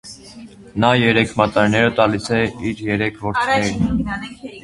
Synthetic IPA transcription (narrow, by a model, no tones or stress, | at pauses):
nɑjɛɾɛkʰmɑt̪ɑɾinɛɾət̪ɑlisʰɛiɾjɛɾɛkʰvɔɾt̪ʰnɛɾ